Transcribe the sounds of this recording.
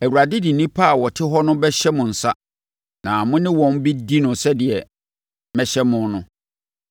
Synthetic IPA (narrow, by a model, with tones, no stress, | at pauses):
æ˨wu˨ɾa˨dɪ˦dɪ˨nĩ˦pʰa˦a˨wɔ˨tʰɪ˦ɦɔ˦nʊ̃˦bɛ˦ɕɛ˦mʊ̃˨n̩˨sa˦ | nã˨mʊ̃˦nɪ̃˦wɔ̃˨n˦bi˦di˦nʊ̃˨sɛ˦dɪ˨ɛ˨ | mɛ̃˦ɕɛ˦mʊ̃˨nʊ̃˦